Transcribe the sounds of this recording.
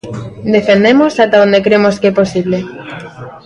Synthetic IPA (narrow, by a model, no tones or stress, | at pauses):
d̪e̞fend̪emosat̪aond̪ekɾemoskeposiβle